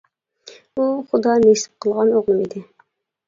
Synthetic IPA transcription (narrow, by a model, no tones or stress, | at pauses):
uχʊd̪ɑnesɪ̥p̚qʰəlˠʁɑnoʁlˠumid̪ɪ